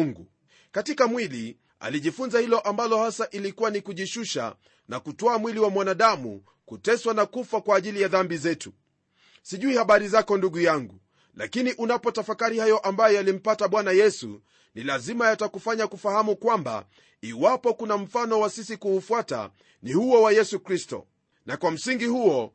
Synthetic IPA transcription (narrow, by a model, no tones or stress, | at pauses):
ŋɡu | katikamwili | a̰liʄifunzahilɔʔambalɔhasaʔilikuwanikuʄiʃuʃa̰ | na̰kutɔamwiliwamwanaɗamṵ | kutɛswanakufwakwaːʄilijaðambizɛtu | siʄuihaɓaɾizakɔnduɠujaŋɡu | la̰kiniʔunapɔtafakaɾihajɔʔambajɔjalim̩pataɓwanajɛsṵ | nilazimajatakufaɲakufahamukwamba̰ | iwapɔkunam̩fanɔwasisikuːfuata̰ | nihuɔwajɛsukɾistɔ̰ | nakwam̩siŋɡihuɔ